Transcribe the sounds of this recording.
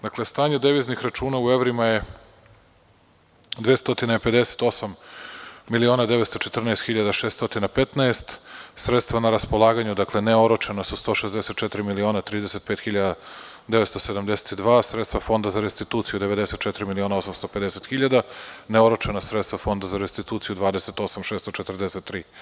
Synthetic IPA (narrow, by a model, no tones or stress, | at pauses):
d̪akle̞st̪aːɲed̪eʋiznixɾat͡ʃuːnaue̞ʋɾimaje̞ | d̪ʋest̪o̞t̪inaipe̞d̪e̞se̥t̪o̞sam | milio̞ːnad̪eʋet̪st̪ot͡ʃet̪ər̩naest̪xiʎad̪aʃest̪o̞t̪inapet̪naest̪sɾet̪st̪vʋanaɾaspolˠaːɡaɲud̪akle̞neo̞ɾot͡ʃenasust̪o̞ʃezd̪eset̪̚t͡ʃet̪ɾimilio̞nat̪ɾiːd̪ese̞t̪peːt̪xiʎad̪a | d̪eʋet̪st̪osed̪amd̪ese̥t̪id̪ʋaːsɾet̪t̪vafo̞nd̪azaɾest̪it̪uːt̪sijud̪eʋe̞d̪eset̪̚t͡ʃɛt̪ɾimilio̞ːnao̞samst̪o̞pe̞d̪eset̪xiʎad̪aneoɾot͡ʃenasɾet̪st̪vafo̞nd̪azaɾest̪it̪uːt̪sijud̪ʋaːd̪eset̪o̞samʃest̪ot͡ʃet̪r̩d̪eset̪ːɾiː